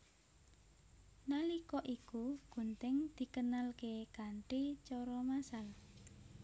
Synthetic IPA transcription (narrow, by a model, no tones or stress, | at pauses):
nalikɔʔikuɡ̥ṳnt̪ɪŋd̪̥i̤kənalkekaɳʈet͡ʃɔɾɔmasal